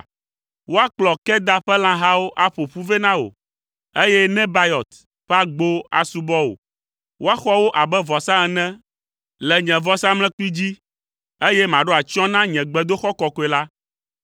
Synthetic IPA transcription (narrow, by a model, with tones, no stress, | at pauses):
wo˦a˦k͡plɔ˨kɛ˦d̪a˦ɸɛ˦lã˦ɦa˦wo˦ʔa˦ɸo˨ɸu˦ve˦nã˦wo̰˨ | e˦jɛ˦nɛ̃˦ba˦jɔ˨t̪ | ɸa˦ɡ͡bo˦a̰˨su˦bɔ˦wo̰˨ | wo˦a˦xɔ˦wo˦ʔa˨bɛ˦vɔ˨sã˦ɛ˨nɛ̃˦ | lɛ˨ɲɛ̃˨vɔ˦sã˦ml̃ɛ̃˦k͡pi˦d͡ʑi˦ | e˦jɛ˦mã˨ɖo˦a˨t͡ʃɔ̃˦nã˦ɲɛ̃˨ɡ͡bɛ˨d̪o˦xɔ˦kɔ˨kɔ˨˦ɛ˨la˦